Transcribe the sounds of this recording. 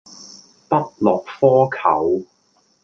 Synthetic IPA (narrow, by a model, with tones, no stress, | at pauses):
pɐ˥t̚lɔː˨k̚fɔː˥kʰɐ̰˨˩˥w